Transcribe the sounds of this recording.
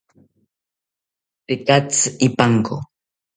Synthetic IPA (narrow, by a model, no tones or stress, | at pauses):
t̪ɪkat͡sɪpaŋko̰